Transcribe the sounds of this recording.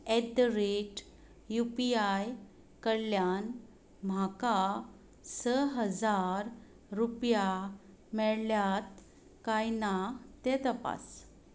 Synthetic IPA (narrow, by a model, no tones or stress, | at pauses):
ɛd̪ɾeʈ | jupiaj | kəɽljan | m̤aka | səɦəd͡zaɾ | ɾupja | mɛɭljat̪ | kajnat̪ɛt̪əpa̰s